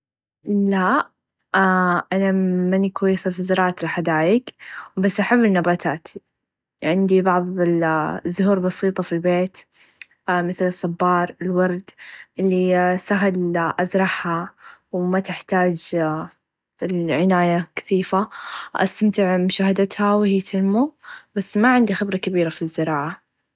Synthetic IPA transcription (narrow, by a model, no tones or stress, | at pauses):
la | aʔanamanikwajːɪsafizɑɾˤɑːʔat̪lħad̪aːjɪkbasːʔaħabːɪnːabaːt̪ʰaːt̪ʰi | ʕɪnd̪ibɑʕðˤɪzːʊɦuːɾbɑsiːt̪ˤɑfilbeːt̪ | mɪθlɨsˤːɑbːɑːɾˤɪlwɑɾˤd̪ʔɪlːisaɦɪlʔazɾˤɑħhawmat̪ɪħt̪aːd͡ʒ | ɪlʕɪnaːjakḁθiːfaʔa̰st̪amt̪ɪʕmʊʃaːhad̪at̪hawhɪːt̪ʰɪlmub̥asːmaʕɪnd̪ixɪbɾˤɑkabiːɾafizːɪɾɑːʕa